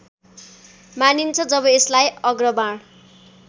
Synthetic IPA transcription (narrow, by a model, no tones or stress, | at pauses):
manint͡sʰʌd͡zʌbʌeslajʌɡrʌbaɽ